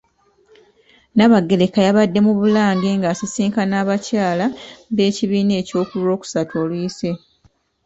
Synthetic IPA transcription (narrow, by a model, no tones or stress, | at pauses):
naβaɡːe̞lekajaβadːe̞muβulaːŋɡeŋɡaːsisiːŋkanaːβacaːlaβe̞ːciβiːne̞ːco̞ːkulɾo̞ːku̥satʰoːlwuise̞